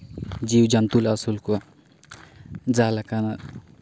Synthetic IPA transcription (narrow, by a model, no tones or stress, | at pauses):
d͡ʒiwd͡ʒɐnt̪ulasulkua | d͡zalakana